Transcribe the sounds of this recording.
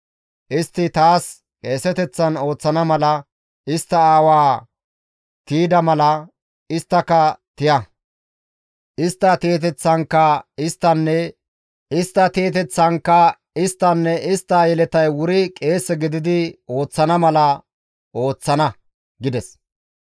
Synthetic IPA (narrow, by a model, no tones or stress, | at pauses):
ʔɪst̪ːɪt̪aːs | kʼe̞ːsɛt̪ɛt͡sːɐno̞ːt͡sːɐnɐmɐlɐ | ʔɪst̪ːɐaːwaː | t̪iːd̪ɐmɐlɐ | ɪst̪ːɐkɐt̪ɪjɐ | ʔɪst̪ːɐt̪eːt̪̬ɛt͡sːɐŋkːɐɪst̪ːɐnːɛ | ɪst̪ːɐt̪eːt̪ɛt͡sːɐnkːɐ | ɪst̪ːɐnːɛʔɪst̪ːɐjɛlɛt̪ɐjwʊɾɪkʼe̞ːsːɛɡɪd̪ɪd̪ɪo̞ːt͡sːɐnɐmɐlɐ | ʔo̞ːt͡sːɐnɐ | ɡɪd̪ɛs